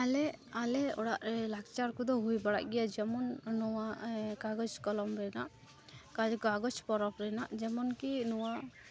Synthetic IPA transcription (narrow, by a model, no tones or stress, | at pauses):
alɛalɛɔ̰ɽaʔlakt͡ʃaɾkɔd̪ɔɦujbaɽa̰ʔɡɛjad͡ʒɛmɔnːɔwakaɡɔt͡ʃkɔlɔmɾɛnaʔ | kad͡ʒkaɡɔt͡ʃpɔɾɔpɾɛnaʔd͡ʒɛmɔnkinɔwa